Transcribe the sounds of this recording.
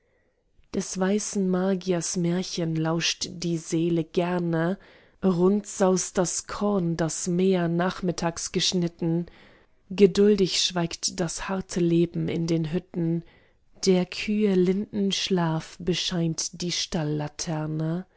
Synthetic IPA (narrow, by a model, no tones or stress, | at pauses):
d̥ɛsv̥aɪsn̩maːɡiasmeːɐçənlaʊʃtd̥iːzeːləɡɛɐnə | ʁʊntz̥aʊsd̥askʰɔɐndasmeːɐnaːχmɪtʰaːksɡ̥əʃnɪtn̩ | ɡədʊldɪçʃv̥aɪktd̥ashaɐtʰəleːbm̩ɪ̰ndeːnɦʏtn̩ | d̥eːɐkʰyːəlɪndn̩ʃlaːfb̥əʃaɪntd̥iːʃtalːatʰɛɐnə